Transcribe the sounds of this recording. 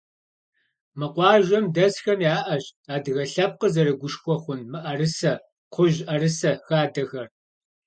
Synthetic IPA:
mɨqʷɑːʒʷɐmdɐsxɐmjaːʔɐʑaːdɨɣɐɬɐp̚qəzɐɾɨɡʷʊʃkʷʰʼɔχʷʊnmɨʔɐrɨsɐ | qʷʰʊʒʔɐɾɨsɐxaːdɐɣɐr

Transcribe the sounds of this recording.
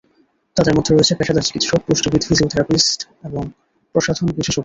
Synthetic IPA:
t̪ad̪eɾmɔd̪ʱːeɾoet͡ɕʰepɛʃad̪at͡ɕi̥kit̪ʃopuʃʈobid̪ʱisiut̪ʰiɾapisʈ | eboŋ | pɾoʃad̪ʱonbiʃeʃok

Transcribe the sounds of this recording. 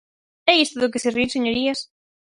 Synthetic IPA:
ɛist̪oðʊkeseriɾseɲoɾias

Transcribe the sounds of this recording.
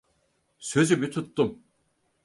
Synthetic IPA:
sø̞zybit̪ʰut̪ːum

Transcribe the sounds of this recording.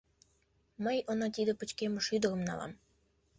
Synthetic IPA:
məjənɑt̪id̪ə̆pə̆t͡ɕkemə̆ʃyd̪ə̆ɾə̆mnɑ̰lɑ̰m

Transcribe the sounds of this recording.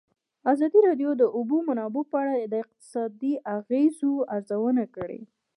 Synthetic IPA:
azɑd̪iɾɑɖjod̪əʔubumanɑbopəaɽad̪əɪq̚t̪ɪ̥sɑd̪iʔaɣezoaɾzawənakəɽḛ

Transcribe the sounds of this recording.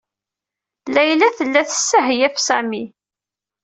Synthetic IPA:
læjlæθəlːæθə̥sːəɦjæfsæmi

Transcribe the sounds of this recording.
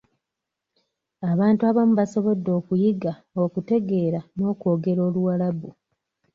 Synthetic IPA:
aβaːntuaβamuβaso̞βo̞dːo̞ːkujiɡa | okute̞ɡe̞ːɾano̞ːko̞ːɡe̞ɾo̞ːluwalabu

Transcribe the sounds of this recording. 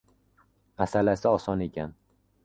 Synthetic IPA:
asalasɪɒsɒne̞kʲʰan

